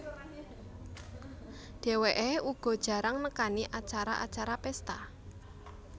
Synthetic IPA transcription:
ɖ̥e̤weʔeuɡ̥ɔ̤d̥ʒ̥ä̤ɾaŋnəkaniʔat͡ʃaɾaʔa̰t͡ʃaɾapɛst̪a

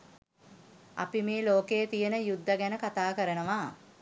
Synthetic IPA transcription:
a̰pimiːloːkeːt̪ijənəjud̪ːəɡænəkat̪aːkəɾənəʋaː

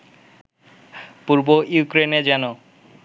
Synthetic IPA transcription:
puɾbojukɾened͡ʑɛno

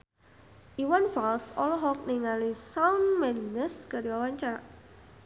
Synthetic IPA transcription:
ʔiwanfalsɔlɔɦɔk̚niŋalisawnmɛnəskəɾiwawaɲt͡ʃaɾa

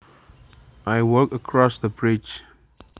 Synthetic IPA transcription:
ʔajwəkəkʰɹɔsðəbɹit͡ʃ

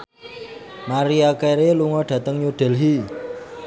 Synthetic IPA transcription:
maɾiakeɾeluŋɔɖ̥ä̤t̪əŋɲuɖ̥ɛ̤lɦi

